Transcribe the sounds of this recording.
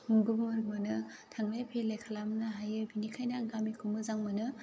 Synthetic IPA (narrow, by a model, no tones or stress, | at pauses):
muɡubmɯɾɡmɯnɯ | tʰaŋlajpʰelajkʰalamnaɦajɯbinikʰajnaːŋɡamikʰumɯzaŋmɯnɯ